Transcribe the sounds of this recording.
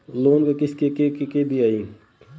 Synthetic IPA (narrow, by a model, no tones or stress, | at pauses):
loːnkekɪskekekkebʱiaːĩː